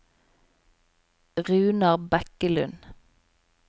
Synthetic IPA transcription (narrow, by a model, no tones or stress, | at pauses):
ʁʉːnɑʁbɛkəlʉ̰n